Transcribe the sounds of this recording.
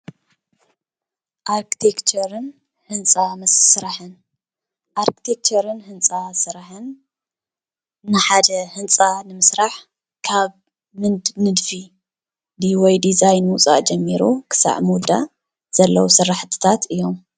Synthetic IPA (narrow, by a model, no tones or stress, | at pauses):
ʔaɾkʰi̥t̪ʰekt͡ʃʰɐɾɨn | hɨnt͡sʼamɐssɨɾaħɨn | ʔaɾki̥t̪ʰek̚t͡ʃʰɐɾɨnhɨnt͡sʼasɨɾaħɨn | ɨħad̪ɐhɨnt͡sʼanɨmɨsɾaħ | kʰaβ | mɨnɨd̪fi | d̪iwɔjd̪izajnwʊt͡sʼa̰ʔd͡ʒɐmːiɾukʰɨ̥sa̰ʕmud̪a̰ | z̥ɐlːɐwusɨrːaħt̪ʰɨ̥t̪ʰat̪ɨjːo̞m